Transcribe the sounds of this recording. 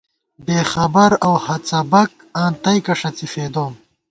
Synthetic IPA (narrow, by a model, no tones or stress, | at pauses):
beːxɐbɐɾɐwhɐt͡sɐbɐk̚ãːnt̪ɐjkɐʂɐt͡sifeːd̪oːm